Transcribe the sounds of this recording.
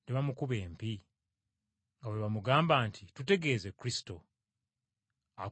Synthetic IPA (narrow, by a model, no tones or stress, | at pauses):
neβamukuβe̞ːmpi | ŋɡawe̞βamuɡaːmbaːntʰitute̞ɡe̞ːze̞kuɾisi̥to̞ | a